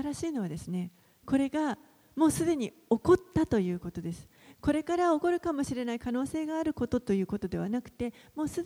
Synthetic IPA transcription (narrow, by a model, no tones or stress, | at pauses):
aɾaɕiːno̞βad̪e̞sɨne̞ | ko̞ɾe̞ɡa | mo̞ːsɨd̪e̞ɲ̟i | o̞ko̞t̪ːat̪o̞jɯ̟ːko̞t̪o̞d̪e̞sɨ̥ | ko̞ɾe̞kaɾao̞ko̞ɾɯ̟kamo̞ɕiɾe̞naikano̞ːse̞ːɡaːɾɯ̟ko̞t̪o̞t̪o̞jɯ̟ːko̞t̪o̞d̪e̞β̞anakɯ̟̥t̪e̞mo̞ːsɨ